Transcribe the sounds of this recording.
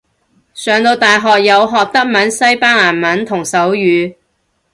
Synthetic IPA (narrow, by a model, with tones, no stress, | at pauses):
sœː˨˧ŋt̪o˧wt̪aː˨jɦɔː˨k̚jɐ˨˧wɦɔː˨k̚t̪ɐ˥k̚mɐ˨˥nsɐ˥jpaː˥ŋlaː˨˩nmɐ˨˥nt̪ʰʊ˨˩ŋsɐ˨˥wjyː˨˧